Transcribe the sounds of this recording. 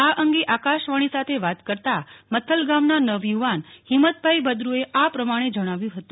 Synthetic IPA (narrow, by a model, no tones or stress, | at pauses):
aʔəŋɡeʔakaʃʋaɽ̃isat̪ʰeʋat̪kəɾt̪amət̪ʰːəlɡamnanəʋjuʋanhɪmət̪̚bʱaibəd̪ɾueʔapɾəmaɽ̃ed͡ʒəɽ̃aʋjũɦət̪ũ